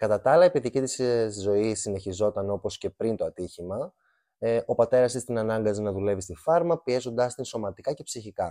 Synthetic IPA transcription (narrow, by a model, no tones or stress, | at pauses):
kɐt̪ɐt̪ɐɐlɐepiðicit̪iszo̞isine̞çizo̞t̪ɐno̞po̞sce̞pɾint̪o̞ɐt̪içimɐ | ʔo̞pɐt̪e̞ɾɐsist̪inɐnɐŋɡɐzinɐðule̞vist̪ifɐɾmɐpie̞zo̞nd̪ɐst̪inso̞mɐt̪ikɐce̞psiçikɐ